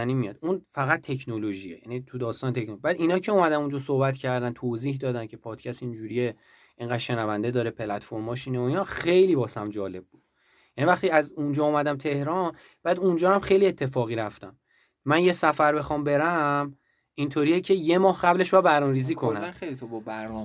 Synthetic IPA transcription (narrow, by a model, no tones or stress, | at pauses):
niːmijɒ̰d̪unfæɣæt̪̚t̪ʰːecʰnoloʒiejæ̰nit̪ʰud̪ɒːst̪ɒːnet̪ʰekʰnobæːd̪inɒːcʰe̞umæd̪ænund͡ʒɒsohbæt̪cʰæɾd̪ænt̪ʰoːziːhd̪ɒːd̪æncʰe̞pʰɒːd̪̥cʰæst̪ind͡ʒuːɾie | ʔeŋɡæd̪ʃe̞nævænd̪e̞d̪ɒːɾepʰelæt̪foɾmɒːʃiːneoinɒxe̞jliːbɒːsæmd͡ʒɒːle̞b̚ːuːd̥̪ | jænivæχt̪iæzund͡ʒɒːumæd̪æmt̪ʰe̞hɾɒn | b̥æːd̪und͡ʒɒːhæmxejlie̞t̪ʰːe̞fɒːɣiːɾæft̪æmː | ænjesæfæɾbe̞xɒmbe̞ɾæm | int̪ʰoɾijecʰe̞je̞mɒːhɢæble̞ʃbæbæɾnɒːmeɾiːziːkʰonææχejlit̪obɔbæɾn